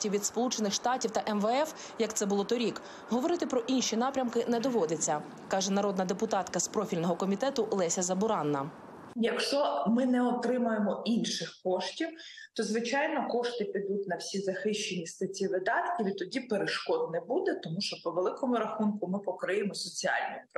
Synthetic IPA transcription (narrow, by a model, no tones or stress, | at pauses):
tʲiʋʲid̪spɔlˠut͡ʃenɪxʃt̪ɑtʲiwt̪ɐʔɛmʋeɛf | jɐk̚t̪sɛbʊlˠɔt̪ɔɾʲik | ɦɔʋɔɾɪt̪ɪpɾɔʔinʃʲinɑpɾʲɐmkɪnɛd̪ɔʋɔd̪et͡sʲːɐ | kɑʒɛnɐɾɔd̪nɐd̪epʊt̪ɑt̪kɐspɾɔfʲilʲnɔɦɔkɔmʲit̪ɛt̪ʊʔlˠɛsʲɐzɐbʊɾɑnːɐ | jɐkʃt͡ʃɔmɪnɛɔt̪ɾɪmʊjemɔʔinʃɪxkɔʃtʲiw | t̪ɔzʋɪt͡ʃɑjnɔkɔʃt̪ɪpʲid̪utʲnɐwsʲizɐxɪʃt͡ʃenʲist̪ɐtʲiʋɪd̪ɑt̪kʲiʋʲit̪ɔdʲipeɾeʃkɔd̪nɛbud̪ɛt̪ɔmuʃt͡ʃɔpɔʋelˠɪkɔmʊɾɐxunkʊmɪpɔkɾɪjemɔsɔt͡sʲiɑ̰lʲnʲʊj